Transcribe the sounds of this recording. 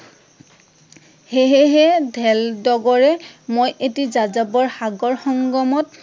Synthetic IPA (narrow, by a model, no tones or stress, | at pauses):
heɦeɦɛdʱɛldɔɡɔɹɛmojʔetizazabɔɹxaɡɔɹxɔŋɡɔmɔt̚